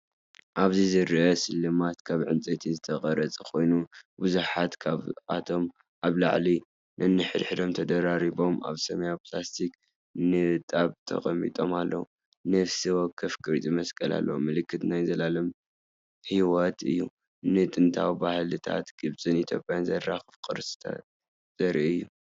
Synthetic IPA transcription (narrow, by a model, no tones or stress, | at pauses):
ʔaβzizɨɾʔɐsɨlːɨmat̪kʰaβʕɨnt͡sʼet̪ʰizɨt̪ʰɐχʼɐɾɐt͡sʼkʰo̞jnubuzuħat̪kʰaβʔa̰t̪ʰo̞m | ʔaβla̰ʕli | nʔɐnːɨħɨd̪ħɨd̪o̞mt̪ʰɐd̪ɐɾaɾiβo̞mʔa̰βsɐmɐjaplast̪ʰik | nɨt̪ʼaβt̪ʰɐ̰χʼɐmːḭt̪ʼo̞malːɐ̰wu | nɐfsiwokʰːɐfkʰʼɨɾit͡s̪ʼimɐskʼɐla̰lːɐ̰wumɨlɨkʰːɨt̪najzɐlalɐm | hiwot̪ʰɨ̰jːu | nɨt̪ʼɨnt̪ʰawibahlɨt̪ʰa̰t̪ɡ̥ɨβzʼɨnit̪ʰjo̞̰pʼjanzɐraxɨfkʼɨɾsɨ̥t̪ʰa̰t | z̥ʼɐɾʔiɨjːu